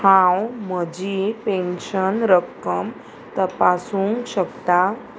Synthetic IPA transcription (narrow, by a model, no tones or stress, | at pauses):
hãwməd͡ʑipẽnɕənɾəkəm | t̪əpasũŋkɕəkt̪a